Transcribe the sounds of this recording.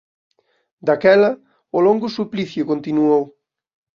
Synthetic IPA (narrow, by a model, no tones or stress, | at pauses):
d̪akɛlɐ | ʊloŋɡʊsupliθjʊkont̪inuow